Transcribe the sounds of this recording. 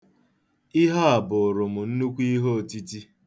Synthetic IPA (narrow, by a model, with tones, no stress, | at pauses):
ɪ˦ɦa˦a˨bʊ˨ɾʊ˨mʊ˨n̩˦nu˦kʷi˦i˦ɦo˦˨ti˦ti˦